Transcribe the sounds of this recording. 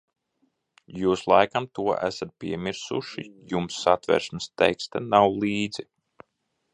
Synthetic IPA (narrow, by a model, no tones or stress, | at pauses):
juːslˠa̰jkamt̪uɔʔæ̰sat̪̚pʲiɛmʲiɾsṵʃḭjumsːat̪vɛ̰ɾʃmɨst̪ɛjkst̪anawlˠiːd̪zi